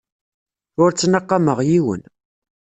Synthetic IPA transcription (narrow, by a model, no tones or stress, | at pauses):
ʊɾt͡sːnəqːɑməʁjiwə̰n